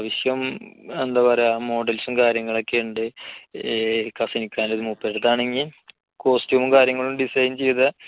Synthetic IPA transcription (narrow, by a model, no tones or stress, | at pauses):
ʋɐɕjɐmend̪aːbɐɾeaːmo̞ːɖɐlsumkaːɾjɐŋːɐɭo̞kːeuɳɖɨ | kɐsinikʲːaːnlɐðɨmupːeɽut̪ːaːɳeŋɡil | ko̞ːstjuːmumkaːɾjɐŋːɐɭumɖisɐjnt͡ɕe̞jt̪ɐ